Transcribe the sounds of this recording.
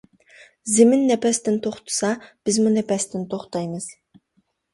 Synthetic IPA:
zɪmɪnːɛpɛst̪ɪnt̪ʰoχt̪ʰu̥sɑb̥ɪzmunɛpɛst̪ɪnt̪ʰoχt̪ɑjmɨz̥

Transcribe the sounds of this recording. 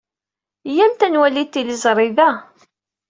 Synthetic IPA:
jænt̪ænwælit̪ːilizˤɾˤɪðæ

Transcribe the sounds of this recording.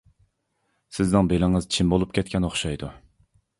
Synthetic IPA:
sɪznɪŋbelɪŋɨz̥t͡ʃʰimbolˠup̚kʲʰɛt̪̚kʲʰɛnoχʃɑjd̪u

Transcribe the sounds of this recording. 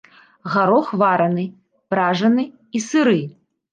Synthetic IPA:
ɣaɾɔxvaɾɐnɨ | pɾaʐɐnɨ | isɨɾɨ

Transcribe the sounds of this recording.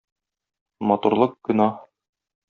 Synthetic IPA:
mɒt̪uɾlˠɤq̚kɵ̆nɑ

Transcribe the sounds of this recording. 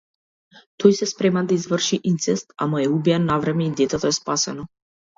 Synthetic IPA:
t̪ʰɔjsɛspɾɛmand̪aizvr̩ʃiʔint̪sɛst̪a̰maɛubijanːavɾɛmɛid̪ɛt̪ɛt̪oɛspasɛnɔ

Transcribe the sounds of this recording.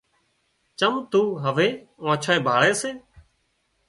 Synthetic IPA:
t͡ʃəmt̪uːɦəʋeː | ãːt͡ʃʰaːẽːbʱaːɭeːseː

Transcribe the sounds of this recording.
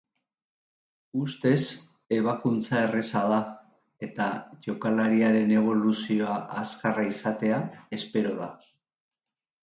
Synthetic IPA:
ust̪e̞s | e̞β̞akunt͡sae̞resað̞a | e̞t̪aʝo̞kalaɾiaɾe̞ne̞β̞o̞lusio̞aʔːskaraisat̪e̞ae̞spe̞ɾo̞ð̞a

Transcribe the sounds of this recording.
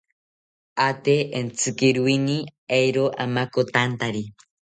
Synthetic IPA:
at̪eʔent͡sʰɨkiɾwiniejɾoʔamakot̪ant̪aɾi

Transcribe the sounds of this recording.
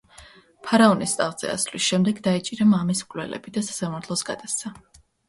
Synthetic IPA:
pʰaɾaɔnist̪ʼaʁz̥ɛ̰a̰slisʃɛmd̪ɛɡd̪ait͡ʃʼiɾamamismkʼlɛ̰lɛ̰bid̪asḁsamaɾt̪ʰlˠɔsɡad̪at̪sʰa

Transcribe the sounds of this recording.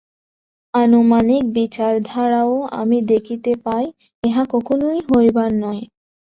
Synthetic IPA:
anomanik̚bit͡ɕaɾd̪ʱaɾaoa̰mid̪ekʰit̪epaj | eɦakɔkʰonojɦoɾjbaɾnɔe

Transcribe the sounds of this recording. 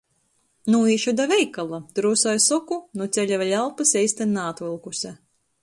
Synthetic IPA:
nuːiːʃud̪avɛjkalˠat̪ɾuːsɔjsɔkunut̪sʲɛlʲavalʲalˠpɨsɛjsʲt̪anːaːt̪vɨlˠkusʲɛ

